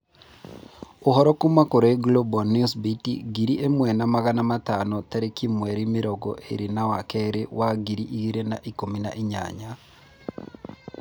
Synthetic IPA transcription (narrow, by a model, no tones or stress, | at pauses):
ohɔɾɔkumakoɾɔeɡlɔbɔniusbitḭɡiɾiʔemwɛnamaɣanamatanɔtɛɾekimwɛɾimiɾɔɡɔ̰ʔḛɾinawakɛɾewaɡiɾiʔiɣiɾena̰ʔikomina̰ʔiɲa̰ɲa